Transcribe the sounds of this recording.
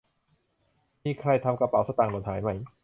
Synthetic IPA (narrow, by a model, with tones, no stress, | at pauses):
miː˧˩kʰɾa˧˥˩jt̪ʰa˧mka˧pa˨˩wsa˧t̪aː˨˩ŋlo˨˩t̪haː˩˦jma˧˩j